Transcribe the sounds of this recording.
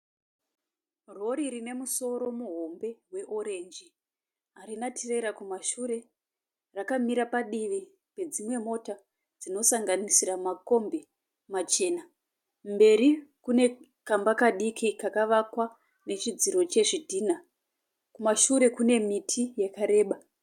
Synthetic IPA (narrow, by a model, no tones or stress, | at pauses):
ro̞ɾirine̞muso̞ɾo̞muɦo̞mbe̞ɦwe̞ʔo̞ɾe̞nd͡ʒi | ɦaɾinatʰere̞ɾakumaʃuɾe̞ | rakamiɾapaɗiʋi | pe̞d͡zimwe̞mo̞ta | d͡zino̞saŋɡanisiɾamako̞mbe̞ | mat͡ʃe̞ːna | mbe̞ɾikune̞ | kambakaɗikʰikakaʋakwa | ne̞t͡ʃid͡ziɾo̞t͡ʃe̞ʐidʱiːna | kumaʃuɾe̞kune̞mitʰijekaɾe̞ːɓa